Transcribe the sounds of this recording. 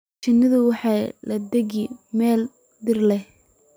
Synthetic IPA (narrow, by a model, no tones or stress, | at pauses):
t͡ʃɪnːɪðʊwɑħɑːlɐd̪ɛɣɪmɛːl | d̪ɪrlɛh